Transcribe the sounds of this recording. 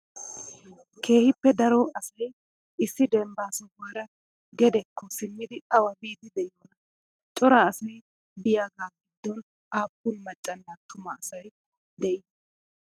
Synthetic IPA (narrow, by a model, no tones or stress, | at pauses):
kʰe̞ːhɪpːɛd̪ɐɾɔɐsɐj | ɪsːɪd̪ɛmbaːsɔɡaːɾɐ | ɡɛd̪ɛkːɔsɪmːɪd̪ɪɐwɐbiːd̪ɪd̪ɛjoːnɐ | t͡ʃʼɔɾaːsɐj | b̪ɪjaːɡaːɡɪd̪ːɔn | ʔaːpːʊnmɐt͡ʃʼːɐnːat̪ʊmɐːsɐj | d̪ɛʔɪ